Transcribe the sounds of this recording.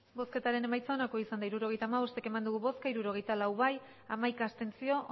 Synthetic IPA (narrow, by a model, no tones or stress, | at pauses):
bo̞ske̞t̪aɾe̞ne̞majt͡saonako̞isand̪aiɾuɾo̞ɣe̞jt̪aːmaβo̞st̪eke̞mand̪uɣ̞uβo̞skaiɾuɾo̞ɣ̞e̞jt̪alawβaj | amajkaːst̪e̞nt͡sio̞ʔ